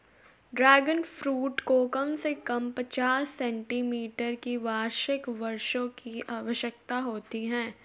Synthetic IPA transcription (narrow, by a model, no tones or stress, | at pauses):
ɖɾɛːɡənfɾuːʈkokɐmsekɐmpɐt͡ʃaːsːɛ̃ːɳʈimiːʈəɾkiʋaːʃɪkʋɐɾʃõkiaːʋəʃjək̚t̪aɦoːt̪iɦɛ̃ː